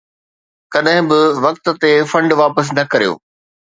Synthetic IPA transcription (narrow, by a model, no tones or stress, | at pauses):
kɐɗɦɪ̃bɪʋɐk̚t̪̆t̪efɐ̃ɳɖʋaːpəs̬nɐkɐɾijo̰ː